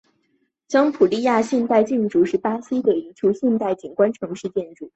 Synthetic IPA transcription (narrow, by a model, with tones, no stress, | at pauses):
t͡ɕjɑ˥ŋpʰu˨˩li˥˧ja˥˧ɕjɛ˥˧nt̪a˥˧ɪt͡ɕjɛ˥˧nʈ͡ʂu˥ʂɻ̩˥˩pa˥ɕi˥d̪ə˨i˧˥t͡ɕʰju˧˥ʊɕjɛ˥˧nt̪a˥˩ɪt͡ɕi˨˩nkwa˥nʈ͡ʂʰɤ˧˥ŋʂɻ̩˥˧t͡ɕjɛ˥˧nʈ͡ʂu˥˩